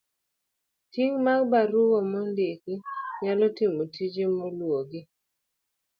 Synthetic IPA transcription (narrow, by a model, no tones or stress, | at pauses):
tiŋmaɡbaɾuwɔmɔndekiɲalɔtɪmotʰid͡ʒemolwoɡɪ